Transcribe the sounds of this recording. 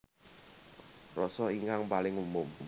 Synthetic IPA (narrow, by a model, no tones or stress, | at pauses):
rɔsɔiŋkaŋpalɪŋumʊm